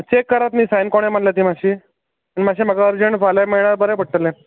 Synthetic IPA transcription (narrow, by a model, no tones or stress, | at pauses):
t͡ɕekːəɾat̪miːsajnkoɽ̃em̤aɳljat̪̬iːmaɕi | animaɕiːm̤əɡaəɾd͡ʑəɳʋalameɭɳaɾbəɾɛbʱəɽʈəlːẽ